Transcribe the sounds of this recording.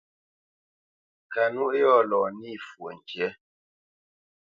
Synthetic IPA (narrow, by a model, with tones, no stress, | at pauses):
ka˨nu˦ʔjɔ˦˨lɔː˨ni˦˨fwo̰˨n˨t͡ʃjɛ˦